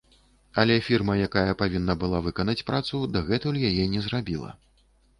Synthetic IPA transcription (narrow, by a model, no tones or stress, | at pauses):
ɐlʲɛfʲirmɐjakajɐpavʲinːɐbɨlˠavɨkɐnɐt͡sʲpɾat̪sud̪aɣɛt̪ulʲjajɛnʲɛzrabʲilˠɐ̰